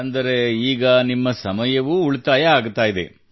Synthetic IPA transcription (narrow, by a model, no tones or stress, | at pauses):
ɐnd̪ɐɾeiːɡɐnimːɐsɐmɐjɐʋuuɭt̪aːjɐaːɡut̪aːjid̪ḛ